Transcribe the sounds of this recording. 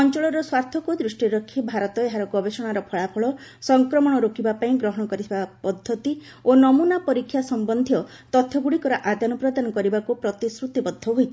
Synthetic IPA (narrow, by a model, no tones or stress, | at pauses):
ɔnt͡ʃɔɭɔɾɔswaɾt̪ʰɔkud̪ɾusʈiɾɔkʰːibʱaɾɔt̪ɔeɦaɾɔɡɔbesɔɽ̃aɾɔpʰɔɭapʰɔɭɔsɔŋkɾɔmɔɽ̃ɔɾokʰibapaĩɡɾɔɦɔɽ̃ɔkɔɾit̪ʰibapɔd̪ʱːɔt̪i | onɔmunapɔɾikʰːjasɔmbɔnd̪ʱjɔ | t̪ɔt̪ʰjɔɡuɽikɔɾɔʔad̪ʱanɔpɾɔd̪anɔkɔɾibakupɾɔt̪isɾut̪ibɔd̪ʱːɔɦojt̪ʰi